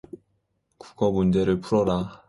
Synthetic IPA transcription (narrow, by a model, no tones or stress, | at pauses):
ku̥ɡʌmund͡ʑe̞ɾɯɭpʰuɾʌɾa